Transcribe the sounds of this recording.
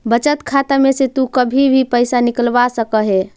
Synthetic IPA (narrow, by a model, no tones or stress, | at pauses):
bət͡ʃət̪kʰat̪ameset̪ukəbʱibʱipəɪsanikəlbasəkəɦe